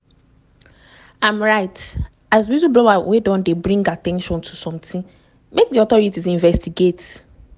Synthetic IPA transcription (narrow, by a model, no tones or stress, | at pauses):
ãmɹaɪt | azbizublɔawedɔ̃ndebɹĩŋɡatɛ̃nʃɔ̃ntʰusɔ̃mtĩn | mek̚diɔdaɹitizĩɱvɛstiɡet